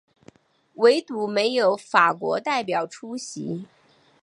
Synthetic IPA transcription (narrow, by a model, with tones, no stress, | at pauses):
we˧˥ɪt̪u˧˥me˧˥ɪjo˧˥ʊfa˨˩kwɔ̰˧˥t̪a˥˩ɪpjɑ˨˩ʊʈ͡ʂʰu˥ɕḭ˧˥